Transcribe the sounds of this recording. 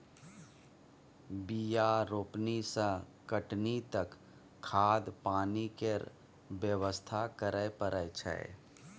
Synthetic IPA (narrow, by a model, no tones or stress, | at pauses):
bijaɾoːpnisə̃kəʈnit̪əkʰː | aːd̪paːnikeɾ | bjəʋəst̪ʰakəɾəjpəɾəjt͡ʃʰɛ̰ḛ